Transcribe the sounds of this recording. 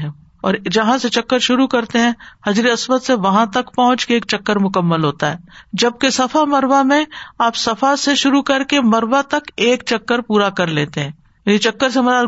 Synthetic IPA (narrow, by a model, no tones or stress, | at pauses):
ɦɛ̃ | ɔːɾd͡ʒɐɦãset͡ʃɐkːəɾʃʊɾukɐɾt̪eɦɛ̃hɐd͡ʒɾiɐswət̪seʋɐɦãt̪ɐkpɐɦʊ̃t͡ʃkeeːkt͡ʃɐkːəɾmʊkəmːəlɦoːt̪aɦɛːd͡ʒɐb̚kesɐfʰamɐɾʋamẽaːpsɐfʰaseʃʊɾukɐɾkemɐɾʋat̪ɐkeːk̚t͡ʃɐkːəɾpuːɾakɐɾleːt̪eɦɛ̃ː | jaːnit͡ʃɐkːəɾsemɐɾa